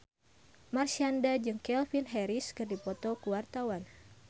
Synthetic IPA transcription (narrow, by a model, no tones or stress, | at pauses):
marsiandad͡ʒɨŋkɛlfinɦɛɾiskɨrdipɔt̪ɔkuwart̪awan